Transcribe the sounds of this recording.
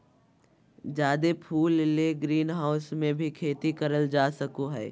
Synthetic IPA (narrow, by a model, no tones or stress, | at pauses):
d͡ʒjaːd̪epʰuːlːeːɡɾiːnɦaːʊsmẽbʱikʰeːt̪ikɐɾəld͡ʒaːsəkoɦɛː